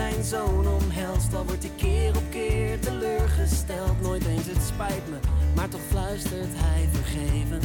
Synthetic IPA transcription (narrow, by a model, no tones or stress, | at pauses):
ɛjnzownɔmɦɛlˠstdɑʋɔɹtikɪːrɔp̚kɪːɹtəløːɹχəstɛlˠtnojtejnsətspɛjtməmaːɹtɔχflœɥstəɹtɦɛjvəɹχejvən